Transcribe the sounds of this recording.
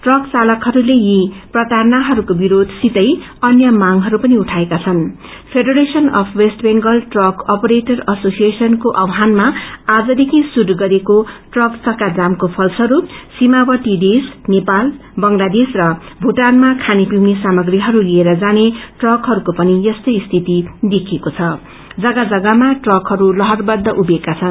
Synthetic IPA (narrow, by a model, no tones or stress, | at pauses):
ʈrʌkt͡salʌkɦʌɾulejiprʌt̪arnaɦʌɾukobiɾod̪ʱsit̪ʌj | ʌnjʌmaŋɦʌɾupʌniuʈʰaekat͡sʰʌnpʰeɖʌɾesʌnʌpʰwesʈbeŋɡʌlʈrʌkʌpʌɾeʈʌrʌsosijesʌnkoʔʌwɦanmaad͡zʌd̪ekʰisud̪ʱɡʌɾekoʈrʌkt͡sʌkad͡zamkopʰʌlsʌɾusimawʌʈid̪esnepal | bʌŋlad̪esrʌbʱuʈanmakʰanipiwnesamʌɡriɦʌɾulieɾʌd͡zaneʈrʌkɦʌɾukopʌnijʌst̪ʌjst̪ʰit̪id̪ekʰekot͡sʰʌ | d͡zʌɡad͡zʌɡamaʈrʌkɦʌɾulʌɦʌrbʌd̪ʱːʌʔubekat͡sʰʌn